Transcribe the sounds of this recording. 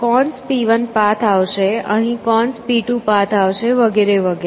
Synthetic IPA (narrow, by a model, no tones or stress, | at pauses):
kɔɳspiʋənpat̪ʰaʋʃeəɦĩkɔɳspiʈũpat̪ʰaʋʃeʋəɡeɾeʋəɡe